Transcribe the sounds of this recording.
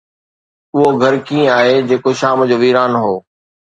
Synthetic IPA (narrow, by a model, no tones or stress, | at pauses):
ʊɦoɡʱɐɾkĩːaːɦed͡ʑeːkoʃaːmd͡ʑoːʋiːɾaːnɦoː